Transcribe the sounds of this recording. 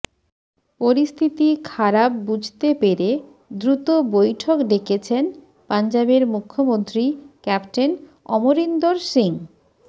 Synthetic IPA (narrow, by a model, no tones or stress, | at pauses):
poɾist̪ʰit̪ikʰaɾapːud͡ʑʱt̪epeɾe | d̪ɾut̪obojʈʰokɖekʰet͡ɕʰen | pand͡ʑabeɾmukʰːomont̪ɾikɛpʈen | ɔmoɾind̪oɾʃiŋ